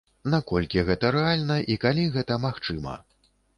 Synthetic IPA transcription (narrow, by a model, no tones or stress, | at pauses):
nakɔlʲkʲiɣɛt̪ɐɾɛalʲnɐʔikalʲiɣɛt̪ɐmaxt͡ʂɨmɐ̰